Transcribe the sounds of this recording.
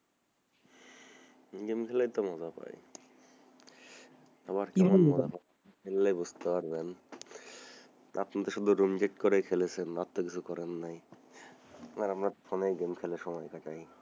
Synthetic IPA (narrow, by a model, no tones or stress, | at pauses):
ɡemkʰɛlajt̪omɔd͡ʑapa̰j | aβaɾkɛmanɔd͡ʑapaa | melːajbud͡ʑt̪epaɾben | a̰pnit̪eʃɔd̪oɾumd͡ʑeʈ̚koɾekʰelet͡ɕʰenat̪ːokit͡ɕʰukɔɾenːaj | aɾamɾafoneɡemkʰeleʃɔmɔjkaʈaj